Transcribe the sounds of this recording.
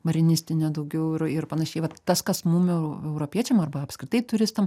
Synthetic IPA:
mɐɾʲɪnʲɪsʲt̪ʲɪnʲɛd̪ɐʊɡʲɛʊɪɾɪrpɐnɐʃʲɛɪʋɐt̪ːɐskɐsmuːmɛʊɛʊɾoːpʲiɛt͡ʃʲɛmɐrbɐɐpʲskɾʲɪt̪ɐɪt̪ʊɾʲɪst̪ɐm

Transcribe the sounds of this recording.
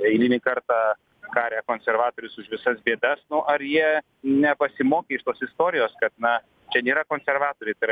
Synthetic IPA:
ɛɪlʲiːnʲɪkɐrt̪ɑː | kɑːɾʲæːkoːnʲsʲɛrʋɑːt̪oːɾʲʊsʊʃʋʲɪsɐsbʲeɛd̪ɐsnʊʔɐɾjiɛ | nʲɛpɐsʲɪmoːkʲeːɪʃt̪oːsɪst̪oːɾʲɪjoːskɐt̪̚nɐ | t͡ʃʲɛnʲeːɾɐkoːnʲsʲɛrʋɑːt̪oːɾʲɛɪt̪ɐɪɾɐ

